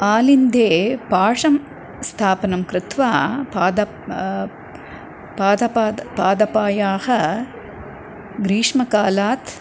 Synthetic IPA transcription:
aːlind̪eːpaːʂɐm | st̪ʰaːpɐnɐmkɾɪt̪ʋaːpaːd̪ɐ | paːd̪ɐpaːpaːd̪ɐpaːjaːhɐ | ɡɾiːʂmɐkaːlaːt̪

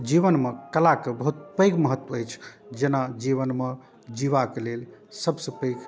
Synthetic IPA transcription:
d͡ʒiʋənmekəlakebəɦut̪̚pəjɡməɦət̪ːwəəjt͡ʃʰd͡ʒenad͡ʒiβənme | d͡ʒiʋakelelsəbsəpəɪɡ

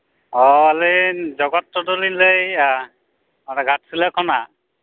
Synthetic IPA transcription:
ɔaled͡ʒɔɡɔtːɔdɔlinlej | manɛɡʱatsilakʰɔna

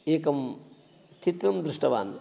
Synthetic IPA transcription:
eːkɐm | t͡ʃit̪ɾɐmd̪ɾuʂʈɐʋa̰ːn

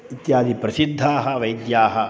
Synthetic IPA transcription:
it̪jaːd̪ʱipɾɐsid̪ʱːaːɦɐ̆ʋɐjd̪jaːɦɐ

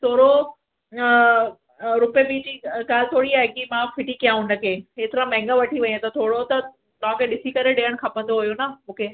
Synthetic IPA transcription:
t̪ʰoːɽo | ɾʊpjəbiːd͡ʑiːɡaːlɪt̪ʰoːɽiaːɦɪkimãfɪʈikijãɦʊnəkʰeeːt̪ɪɾãmɛ̃ːŋɡaʋɐʈʰiʋɐɲẽt̪ɐt̪ʰoːɽot̪ɐ | t̪ɐʋ̤ãkʰeɗɪsikɐɾeɗeːəɽ̃kʰapə̃nd̪oɦujonamũːkʰe

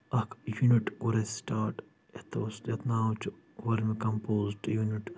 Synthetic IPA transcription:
ɐkʰjuniʈʋɐɾesʈaːɾʈ | et̪ʰostet̪naːwt͡ʃu | ʋɐɾmikɐmpoːzʈjuniʈ

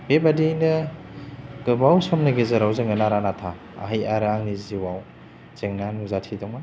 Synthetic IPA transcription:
bebadinɯ | ɡ̥ɯbawsɔmnɯɡezɯɾawzeŋɡɯnaɾanatʰa | a̰ɦajaɾaŋniziwaw | z̥eŋnanuzatʰidɔŋma

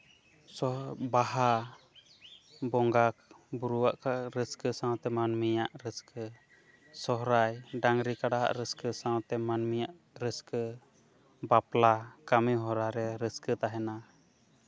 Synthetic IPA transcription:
sɔbaɦa | bɔŋɡak̚ | buɾuwaʔkʰaɾəskəsãwt̪ɛmanmijaʔɾəskʰə | sɔɦɾajɖaŋɾikaɽaɦa̰ʔɾəskəsãwt̪ɛmanmijaʔ | ɾəskə | baplakamɛɦɔɾaɾɛɾəskət̪aɦɛna

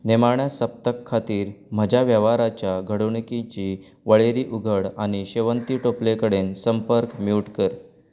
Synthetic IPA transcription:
nemaɳjasəp̚t̪əkʰːat̪iːɾməd͡ʑʱaʋjəʋaɾat͡ɕjaɡʱəɽuɳikĩt͡ɕiː | ʋəɭeɾiːʔuɡʱəɽaɽ̃iɕeʋənt̪iːʈoplekəɽensəmpəɾkmiwʈkəɾ

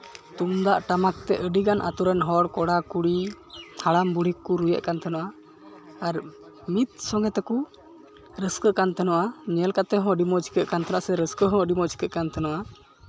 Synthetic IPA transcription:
t̪umd̪aʔʈamak̚t̪ɛʔəɖiɡanʔa̰t̪uɾɛnɦɔɽkɔɽakuɽit̪ʰaɽambuɽ̤ikːuɾujɛ̰ʔkant̪ʰɛnɔʔaː | ɾ | mit̪̚sɔŋɡɛt̪ɛku | ɾəskəʔkant̪ɛnɔʔaɲɛlkat̪ɛɦɔ̃əɖimɔt͡ʃʰi̥kəʔkant̪ʰanaʔsɛɾəskəɦɔ̃əɖimɔt͡ʃʰi̥kəʔkant̪ɛnɔʔa

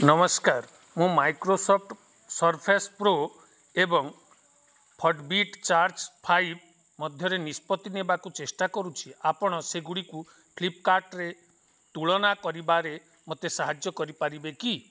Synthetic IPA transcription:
nɔmɔskaɾ | mũmajkɾosɔp̚ʰʈ | sɔɾpʰespɾo | ebɔŋ | pʰɔɖbiʈt͡ʃaɾd͡ʒpʰajb | mɔd̪ʱjɔɾenispɔt̪inebakut͡ʃesʈakɔɾut͡ʃʰiapɔɽ̃ɔseɡuɽiku | kʰlipkaɾʈɾe | t̪uɭɔnakɔɾibaɾe | mot̪esaɦad͡ʒjɔkɔɾipaɾibeki

